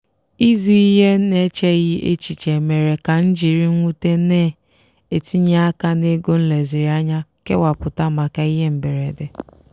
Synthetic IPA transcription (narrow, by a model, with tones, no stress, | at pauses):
i˦zu˨i˦ɦe˦ne˦t͡ʃe˦ɣɪ˦ʔḛ˦t͡ʃi˨t͡ʃe˨me˨ɾe˨ka˨n̩˦d͡ʒi˨ɾi˦ŋʷu˦te˦neː˦˨ | e˨ti˦ɲe˦a˦ka˦ne˦ɡo˦n̩˦le˨zi˨ɾi˨˦a˦ɲa˦ke˦wa˨pʊ˨ta˦ma˨ka˦i˦ɦe˦m̩˨be˨ɾe˨de˨